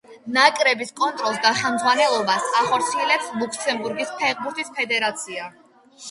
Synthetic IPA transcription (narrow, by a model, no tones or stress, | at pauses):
nakʼɾɛbiskʼɔnt̪ʼɾɔlˠsd̪aχɛmd̪zʁwanɛlˠɔbasaχɔɾt̪sʰiɛlɛpslˠukʰsɛmbuɾɡispʰɛʁbuɾt̪ʰispʰɛd̪ɛɾat̪sʰia